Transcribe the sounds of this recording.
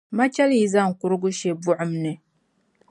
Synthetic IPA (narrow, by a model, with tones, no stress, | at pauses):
ma˦t͡ʃɛ˦lji˦za˦˨ŋ̩˨kʊ˦ɾɨ˦ɡʊ˦ʃe˦bʊ˦ʕʊ˦mnɨ˨